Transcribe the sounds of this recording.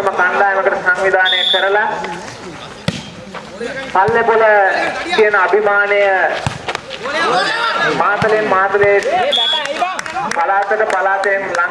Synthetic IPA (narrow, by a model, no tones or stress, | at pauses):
ɐməkand̪aːjəməkəʈəsaŋʋid̪ʱaːnejəkəɾəla | palːepoləkijənabʱimaːnejə | maːt̪lemmaːt̪le | balaːt̪əʈəbalaːt̪ejnla